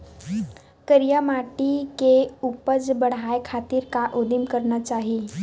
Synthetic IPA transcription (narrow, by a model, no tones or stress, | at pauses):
kəɾijamaʈikeupəd͡zbəɽ̤ajkʰat̪iːɾkaʔud̪imkəɾɳət͡ɕaɦi